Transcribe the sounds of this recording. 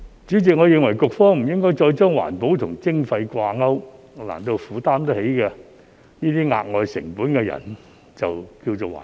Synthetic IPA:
t͡ʃyː˨˥t͡sɪ˨k̚ŋɔː˨˧jɪ˧ŋwɐ˨˩jkʊ˨k̚fɔː˥ŋm̩˨˩jɪ˥ŋkɔː˥jt͡ʃɔː˧jt͡sɔː˥ŋwa̰ː˨˩npo˨˥wt̪ʰʊ˨˩ŋt͡sɪ˥ŋfɐ˧jkʷaː˧ŋɐ˥w | la̰ː˨˩nt̪o˧wfuː˨˥t̪aː˥mt̪ɐ˥he˨˥jkɛ˧ | niː˥t̪iː˥ŋa̰ː˧k̚ŋɔː˨˧jsɪ̰˨˩ŋpuː˨˥nkɛ˧jɐ̰˨˩n | t͡sɐ˨wkiː˧wt͡so˨˩wa̰ː˨

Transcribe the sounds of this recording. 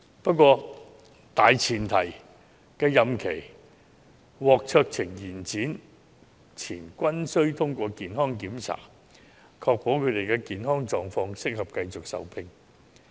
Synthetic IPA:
pɐ˥t̚kwɔː˧ | t̪aː˨jt͡sʰiː˨˩nt̪ʰɐ˨˩j | kɛː˧jɐ˨mkʰe˨˩j | wɔː˨˧k̚t͡sʰœː˧k̚t͡sʰɪ˨˩ŋjiː˨˩nt͡siː˨˥n | t͡sʰiː˨˩nkʷɐ˥nsɵ˥ɥt̪ʰʊ˥ŋkʷɔː˧kiː˨nɦɔː˥ŋkiː˨˥mt͡sʰa̰ː˨˩ | kʰɔː˧k̚po˨˥wkʰɵ˨˧t̪e˨jkɛ˧kiː˨nɦɔː˥ŋt͡sɔː˨˧ŋfɔː˧ŋsɪ˥k̚hɐ˨p̚kɐ˧jt͡sʊ˨k̚sɐ̰˨wpʰɪ˧ŋ

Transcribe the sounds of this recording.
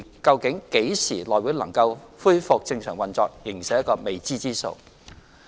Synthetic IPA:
kɐ˧wkɪ˨˥ŋke˨˥jsiː˨˩lɔː˨˩jwi˨˥wlɐ̰˨˩ŋkɐ˧wfuː˥jfʊ˨k̚t͡sɪ˧ŋsœː˨˩ŋwɐ˨nt͡sɔː˧k̚jɪ˨˩ŋsɛ˨˥jkɔː˧me˨˩jt͡siː˥t͡siː˥so̰˧w

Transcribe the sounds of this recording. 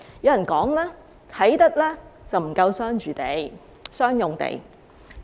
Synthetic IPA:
jɐ˨˧˥wjɐ˨˩nkɔː˨˥ŋlɛː˥ | k̪ʰɐ˨˥jt̪ɐ˥k̚lɛː˥t͡sɐ˨wm̩˨˩kɐ˧wsœː˥ŋt͡ʃyː˨t̪e˨˧j | sœː˥ŋjʊ˨ŋt̪ḛ˨˧˩j

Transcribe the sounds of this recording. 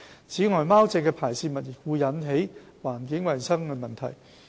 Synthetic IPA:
t͡sʰiː˨˥ŋɔː˨jmaː˥wt͡sɛ˧kːɛː˧pʰaː˨˩jsiː˧mɐ˨t̚jɪ˨˩k̚wuː˨˧jːɐ˨˥nɦe˨˥j | waː˨˩nkɪ˨˥ŋwɐ˨jsɐ˥ŋhɛ˧mɐ˨nt̪ʰɐ̰˨˩j

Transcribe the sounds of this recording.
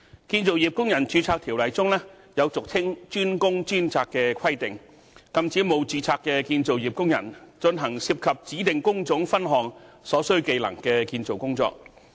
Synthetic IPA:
kiː˧nt͡so˨wji˨p̚kʊ˥ŋjɐ˨˩nt͡ʃyː˨˥t͡sʰaː˧k̚t̪ʰi˨˩wlɐ˨jt͡sʊ˥ŋlɛː˥ | jɐ˨˧wt͡sʊ˨k̚t͡sʰɪ˥ŋt͡ʃyː˥nkʊ˥ŋt͡ʃyː˥nt͡sʰaː˧kːɛː˧kʰɐ˥jt̪ɪ˨ŋ | kɐ˥mt͡siː˨˥mo˨˧wt͡siː˧t͡sʰaː˧kːɛː˧kiː˧nt͡so˨wjiː˨˩p̚kʊ˥ŋjɐ̰˨˩nt͡ʃɵ˧nɦɐ˨˩ŋsiː˧p̚kʰɐ˨p̚t͡siː˨˥t̪ɪ˨ŋkʊ˥ŋt͡sʊ˨˥ŋfɐ˥nɦɔː˨˩ŋsɔː˨˥sɵ˥ɥke˧jlɐ̰˨˩ŋkɛː˧kiː˧nt͡so˨wkʊ˥ŋt͡sɔ̰ː˧˨k̚

